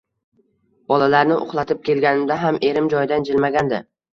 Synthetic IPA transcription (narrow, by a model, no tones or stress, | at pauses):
b̥ɒlalaɾnɪʔʊ̰χlˠat̪ʰɪp̚kʲʰe̞lɡʲanɪmd̪aɦamʔe̞ɾɪmd͡ʒɒjd̪and͡ʒɪlmaɡʲand̪ɪ̰